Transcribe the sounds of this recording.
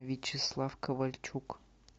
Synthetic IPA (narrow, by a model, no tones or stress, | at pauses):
vʲit͡ʃʰɪslˠafkʰɐvɐlʲt͡ʃʰuk